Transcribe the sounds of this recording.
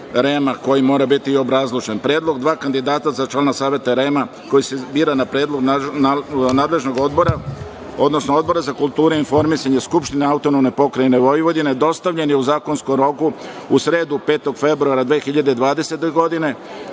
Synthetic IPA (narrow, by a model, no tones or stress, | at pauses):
ɾe̞mako̞jimo̞ːɾabit̪io̞bɾazlˠit͡ʃenpɾe̞ːd̪lo̞ɡd̪ʋaːkand̪id̪aːt̪azat͡ʃlanasaːʋje̞t̪aɾe̞ma | ko̞jisebiːɾanapɾeːd̪lˠo̞ɡ | naːd̪le̞ʒno̞ɡo̞d̪bo̞ɾa | o̞d̪no̞snoo̞d̪bo̞ɾazakulˠt̪uːɾeinfo̞ɾmisaɲeskupʃt̪ineaut̪o̞nomne̞po̞kɾajeneʋo̞jiʋod̪ined̪o̞st̪aʋʎe̞njuzaːko̞nskomɾo̞ku | usɾe̞ːd̪upe̞ːt̪o̞ɡfe̞bɾuaɾad̪ʋeːxiʎad̪ed̪ʋaːd̪e̞se̞t̪eɡo̞d̪ine̞